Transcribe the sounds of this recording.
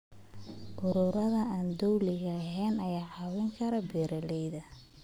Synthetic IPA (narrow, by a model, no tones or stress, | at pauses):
ʔʊɾʊːɾɐðɐaːnd̪ɔwlɪɣɐɦɛːnɐjaːʕɑwɛŋkʰɐɾɐbɛːɾɐlɛjðɐ